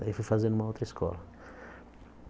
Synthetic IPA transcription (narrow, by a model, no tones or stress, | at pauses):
aifujfazẽd̪ũmɐowt̪ɾɐiskʰɔ̰lɐ